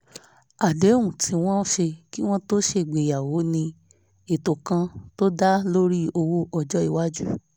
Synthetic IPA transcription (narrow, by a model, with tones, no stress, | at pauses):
a˨dẽ˨˦ũ˨tʰĩ˧w̃ɔ̃˦ʃe˧ki˦w̃ɔ̃˦to˦ʃe˧˨ɡ͡be˨ja˨wo˨˦nĩ˧ | e˨to˨kã˧to˦da˦lo˦ɾi˦o˧wo˦ɔ˨d͡ʒɔ˦i˨wa˦d͡ʒu˦